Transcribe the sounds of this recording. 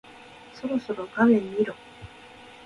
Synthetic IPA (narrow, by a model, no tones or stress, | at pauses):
so̞ɾo̞so̞ɾo̞ɡamẽ̞mːiɾo